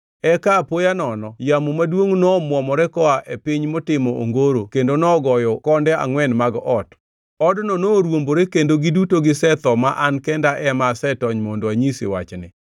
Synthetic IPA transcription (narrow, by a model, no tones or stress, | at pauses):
ɛkapojanɔnɔjamomadwoŋnɔmwɔmɔɾɛkɔaʔepiɲmɔtɪmɔʔo̰ŋɡoɾokendonɔɡɔjɔkɔndɛa̰ŋwɛnmaɡɔt | ɔdnɔnoɾwomboɾekendoɡɪdutoɡɪsɛt̪ɔmaʔankɛndaʔɛmasɛtɔɲmondoaɲisḭwa̰t͡ʃnɪ̰